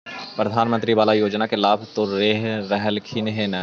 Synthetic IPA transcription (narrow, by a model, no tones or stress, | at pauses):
pɾəd̪ʱaːnmə̃nt̪ɾiʋaːlajoːd͡ʒnakelaːbʱt̪oɾeːɦɾɛɦəlkʰinɦenɛː